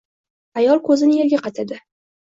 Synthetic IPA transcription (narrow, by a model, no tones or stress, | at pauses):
ajɒlˠkʰɵzɪnɪeɾɡʲaqʰɑt̪ʰad̪ɪ